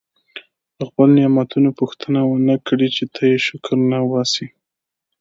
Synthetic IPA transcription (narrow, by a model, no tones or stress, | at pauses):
d̪əxpəlnɪjɑmat̪unopuxt̪ʰənawənəkɽit͡ʃet̪ʰajeʃʊkʰəɾnawɑsi